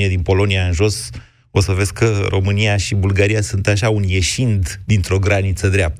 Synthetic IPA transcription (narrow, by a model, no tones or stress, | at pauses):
ied̪inpo̞lo̞niaɨnʒo̞s | o̞səve̞skʰərʔo̞mɨniaʃibulɡaɾijasunt̪aʃaunje̞ʃind̪d̪int̪ɾo̞ɡɾanit̪səd̪ɾeap̚t̪ə